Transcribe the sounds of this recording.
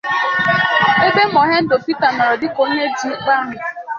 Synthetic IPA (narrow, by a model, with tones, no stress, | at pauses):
e˦be˦m̩˦ɔ˨ɦe˦n̩˦do˨pi˦ta˨nɔ˨ɾɔ˨dɪ˦ko˦ɲe˦di˨˦k͡pa˦ɾɪ˨